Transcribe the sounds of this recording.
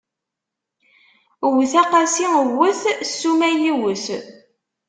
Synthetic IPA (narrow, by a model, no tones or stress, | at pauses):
wθæqɑsiəwəθsːumæjiwəθ